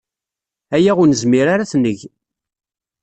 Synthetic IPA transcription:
æjæʁʊnəzmiɾaɾaθnːəʝ

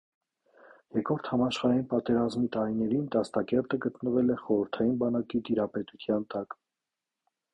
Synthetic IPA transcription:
jɛkɔɾt̪ʰhɑmɑʃχɑɾɑinpɑt̪ɛɾɑzmit̪ɑɾinɛɾind̪ɑst̪ɑkɛɾt̪əɡət̪nəvɛlɛχɔɾəɾt̪ʰɑjinbɑnɑkit̪iɾɑpɛt̪ut̪ʰjɑnt̪ɑk

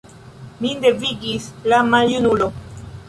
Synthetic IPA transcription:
mind̪eviɡislamajunulo

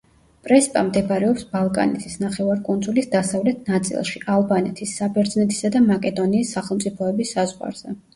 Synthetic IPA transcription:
pʼɾɛspʼa̰md̪ɛbɾɛɔpsbalˠkʼa̰nɛ̰t̪ʰisnaχɛvaɾkʼund̪zulisd̪asavlɛt̪ʰnat̪sʼḭlˠʃiʔalˠbanɛt̪ʰisːabɛɾd̪znɛt̪ʰi̥sad̪amakʼɛd̪ɔniːsːaχɛlˠmt̪sʼipʰɔɛbisːazʁwa̰ɾz̥ɛ

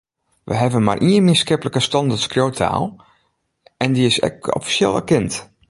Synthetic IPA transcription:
ʋʔə̰ɦɛvənma̰rʔiənmɪnskɪpələkəstɔndətskrjowtʰa̰ːlˠ | ʔɛndiɪsɛ̰kɔ̰fi̥sjeːlˠə̰kɛnt

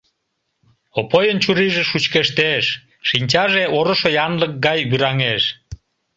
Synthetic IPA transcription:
opojənt͡ɕuɾiʒeʃut͡ɕkeʃt̪eʃː | inʲt͡ɕɑʒeoɾoʃojɑnlək̚ɡɑjβyɾɑŋeʃ

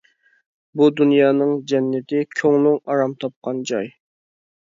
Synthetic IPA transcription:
bud̪unjɑːnɨŋd͡ʒɛnːɪt̪ʰɪkʲʰøŋlˠʊŋɑɾɑmt̪ʰɑp̚qʰɑnd͡ʒɑj

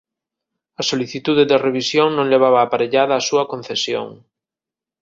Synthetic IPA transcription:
ɐsoliθit̪uðeðereβ̞isjoŋnõŋleβ̞aβaːpaɾeʎaðɐːsuɐkonθesjo̰ŋ

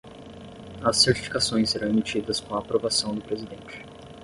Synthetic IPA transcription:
ɐsːeɾt͡ʃi̥fi̥kasõj̃seɾɐ̃w̃emit͡ʃid̪ɐskõw̃ɐːpɾovasɐ̃w̃d̪ʊpɾezid̪ẽnt͡ʃɪ̥

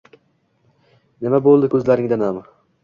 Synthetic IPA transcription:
nɪmabolˠd̪ɪkʲʰɵzlaɾɪŋd̪anamɪ

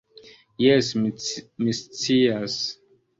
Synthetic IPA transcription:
jesmimist͡sias

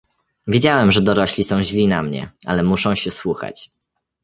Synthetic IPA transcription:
vʲed͡ʑawɛmʐɛd̪ɔɾɔɕlʲisɔ̃w̃ʑlʲinamɲɛ̰a̰lɛmuʂɔ̃w̃ɕɛswuxa̰t͡ɕ

